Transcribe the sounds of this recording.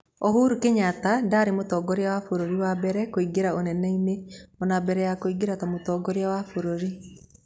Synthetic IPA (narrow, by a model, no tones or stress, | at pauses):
ɔɦuɾukeɲatadaːɾemotɔːɡɔɾeawafoɾoɾiwabɛɾɛkoiɡeɾaonɛnɛineɔnabɛɾɛjakoiɡeɾatamotɔːɡɔɾeawafoɾoɾi